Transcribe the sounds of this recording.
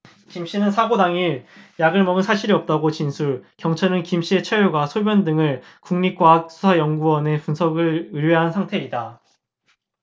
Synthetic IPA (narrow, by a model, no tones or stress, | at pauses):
kimɕ͈inɯnsʰaɡodaŋiɾjaɡɯɭmʌɡɯnsʰaɕʰiɾiʌp̚t͈aɡot͡ɕinsʰukjʌŋt͡ɕʰaɾnɯnkimɕ͈ie̞t͡ɕʰeoɡwasʰobjʌndɯŋɯɭ | kuŋɲik͈wak̚s͈ʰu̥sʰajʌŋɡuwʌne̞punsʰʌɡɯɭɯɾeɦansʰaŋtʰe̞ida